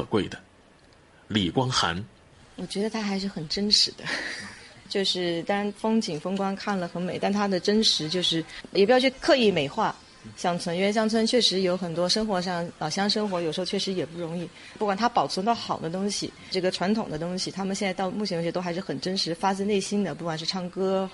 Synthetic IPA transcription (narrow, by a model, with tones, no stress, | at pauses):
kʰɤ̰˨˩kwe˥˩ɪd̪ə˩ | li˨˩kwɑ˥ŋxa̰˧˥n | wɔ˨˩t͡ɕɥɛ˧˥d̪ə˧t̪ʰa˥xa˧˥ɪʂ̬ɻ̩˥˩xə˨˩nʈ͡ʂə˥nʂɻ̩˧˥d̪ə˧ | t͡ɕjo˥˧ʊʂɻ̩˥˩t̪ɑ˥ɻa˧˥nfɤ˥ŋt͡ɕi˨˩ŋfɤ˥ŋkwa˥nkʰa˥˩nlə˩xə˧˥nme˨˩ɪt̪a˥˩nt̪ʰa˥d̪ə˨ʈ͡ʂə˥nʂɻ̩˧˥t͡ɕjo˥˧ʊʂɻ̩˥˩jpjt͡ɕʰkʰɤ˥˧i˥˩me˨˩ɪxwa˥˩ | ɕjɑ˥˩ŋt͡sʰwə˥n˥˧˩ɕjɑ˥ŋt͡sʰwə˥nt͡ɕʰɥɛ˥˩ʂɻ̩˧˥jo˧˥ʊxə˨˩nt̪wɔ˥ʂɤ˥ŋxwɔ˧˥ʂɑ˥˩ŋlɑ˨˩ʊɕjɑ˥ŋʂɤ˥ŋxwɔ˧˥jo˨˩ʂ̩˧˥˧ʊt͡ɕʰɛ˥˩ʂɻ̩˧˥jɛ˨˩pu˥˩ɻʊ˧˥ŋi˥˩ | pu˥˩kwa˨˩nt̪ʰa˥pɑ˨˩ʊt͡sʰə˧˥nt̪ɑ˥˩ʊxɑ˨˩ʊd̪ə˦t̪ʊ˥ŋɕḭ˨ | ʈ͡ʂɤ˥˩ɡə˩ʈ͡ʂʰwa˧˥nt̪ʰʊ˨˩ŋd̪ə˦t̪ʊ˥ŋɕi˨t̪ʰa˥mə˨njɛ˥˧nt͡sa˥˧t̪ɑ˥˧ʊmu˥˩t͡ɕʰjɕɛ˧˥t̪o˥xa˧˥ɪʂɻ̩˥˩xə˨˩nʈ͡ʂə˥nʂɻ̩˧˥fa˥t͡sɹ̩˥˧ne˥˩ɪɕi˥nd̪ə˨pu˥˩kwa˨˩nʂɻ̩˥˧ʈ͡ʂʰɑ˥˩ŋkɤ˥